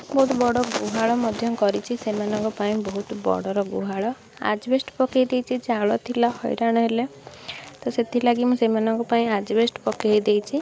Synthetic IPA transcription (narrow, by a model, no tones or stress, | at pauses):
bɔɦut̪bɔɽɔɡuɦaɭɔmɔd̪ʱjɔmkɔɾit͡ʃʰisemanɔŋkɔpaĩbɔɦut̪bɔ̰ɽɔɾɔɡuɦaɭɔ | a̰d͡ʒbesʈpɔkejd̪ejt͡ʃʰid͡ʒeaɭɔt̪ʰilahɔ̰jɾaɽ̃ɔɦele | t̪ɔset̪ʰilaɡimũsemanɔŋkɔpaĩad͡ʒbesʈpɔkejd̪ejt͡ʃʰi